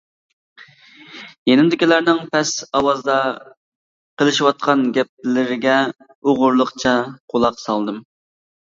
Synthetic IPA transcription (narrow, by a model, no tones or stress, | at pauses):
jenɪmd̪ɪkʲilæɾnɪŋpʰɛsɑwɑzd̪ɑ | qəlˠɨʃiwɑt̪̚qʰɑnɡʲɛp̚lɪɾɪɡʲɛ | oʁʊɾlˠəqt͡ʃʰɑqʰolˠɑqsɑlˠd̪ɨm